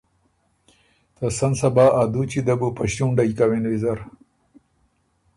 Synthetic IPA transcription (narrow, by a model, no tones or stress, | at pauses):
t̪ɐsɐnsɐbaːʔad̪ut͡ɕid̪ɐbupɐɕtuɳɖɐjkɐwenwizɐɾ